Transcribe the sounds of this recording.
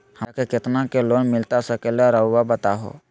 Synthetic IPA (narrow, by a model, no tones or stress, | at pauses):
həkekɪt̪nakeloːnmɪlt̪asəkeleɾəʊːabət̪aɦo̰ː